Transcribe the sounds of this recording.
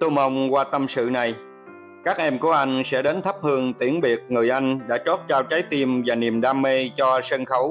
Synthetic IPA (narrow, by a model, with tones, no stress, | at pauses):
t̪u˧mʔə˧wŋ͡mkwaː˧t̪ə˧msɨ̰˧˨na˨˩j | kaː˦˥k̚ʔɛ˧mku˧˩əʔa˧jŋ̟sɛ̰˧˥ɗe˨˦nt̪ʰə˦˥p̚hɨ˧əŋt̪i˧˩əŋɓi˨˩ək̚ŋɨ˨˩əjʔa˧jŋ̟ɗa̰ː˧˥t͡ɕo˦˥t̚t͡ɕaː˧wt͡ɕaː˨˦jt̪i˧mvaː˨˩ni˨˩əmɗaː˧mːe˧t͡ɕɔ˧sə˧nxə˨˦w